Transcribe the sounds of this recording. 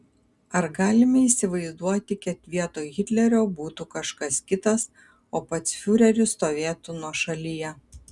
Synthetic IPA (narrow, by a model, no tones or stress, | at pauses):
ɐɾɡɑːlʲɪmʲɐiːsʲɪʋɐɪzd̪uɔt̪ʲɪkʲɛt̪ʲʋʲiɛt̪oːɣʲɪt̪ʲlʲɛɾʲoːbuːt̪ukɐʃkɐskʲɪt̪ɐs | oːpɐt̪sfʲʊɾʲɛɾʲʊst̪oːʋʲeːt̪ʊnuɔʃɐlʲijɛ